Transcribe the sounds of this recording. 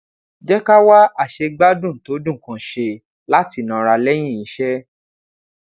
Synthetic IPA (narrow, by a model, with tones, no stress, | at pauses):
d͡ʒɛ˦ka˦wa˦a˦˨ʃe˧ɡ͡ba˦dũ˦˨to˨˦dũ˦˨kã˨ʃe˧ | la˦ti˧˨nã˧˨ɾa˧lɛ˦j̃ĩ˦˨i˨˦ʃɛ˦